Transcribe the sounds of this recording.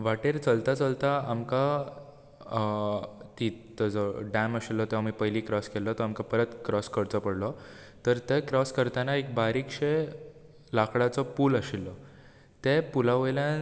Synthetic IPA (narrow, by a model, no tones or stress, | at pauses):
ʋaʈeɾt͡səlt̪at͡səlt̪aːmka | t̪it̪əd͡zɔɖæməɕilːɔt̪ɛamipəɦjliːkɾɔskɛlɔt̪ɔamkapəɾət̪kɾɔskəɽt͡sɔpəɽlɔ | t̪əɾt̪ekɾɔskəɾt̪anaek̚baɾikɕe | lakʰɽat͡sɔpuːləɕilːɔ | t̪epulaʋəjljã